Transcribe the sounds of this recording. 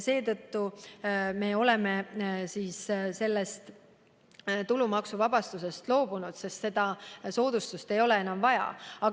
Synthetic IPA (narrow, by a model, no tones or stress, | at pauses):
se̞ːt̪ɤt̪ːu | me̞o̞le̞me̞siːsse̞lːest̪ | t̪ulumɑksuvɑbɑst̪use̞st̪lo̞ːbunud̪̥se̞st̪se̞d̪̥ɑso̞ːd̪̥ust̪ust̪e̞jo̞le̞e̞nɑmvɑjɑ̰ɑ